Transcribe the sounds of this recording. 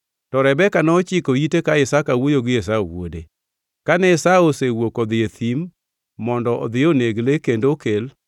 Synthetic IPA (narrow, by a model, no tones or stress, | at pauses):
tɔɾɛbɛkanɔt͡ʃɪkoitekaɪsakawojoɡɪes̬aowo̰dḛ | kanɛɪsaosewokɔd̪ɪet̪ʰimː | ɔndɔʔɔ̰d̪ɪoneɡlekendokel